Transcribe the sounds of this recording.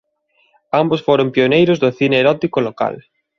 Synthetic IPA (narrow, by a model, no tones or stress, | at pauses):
ambosfoɾompionejɾʊzðʊθineeɾɔt̪ikoloka̰l